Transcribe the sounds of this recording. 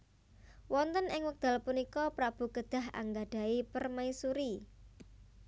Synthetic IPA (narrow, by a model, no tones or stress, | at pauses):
wɔnt̪ənɪŋwək̚d̪̥a̤lpunikɔpɾab̥ṳɡ̥əd̪̥a̤ɦa̰ŋɡaɖ̥a̤ipərmaisuɾi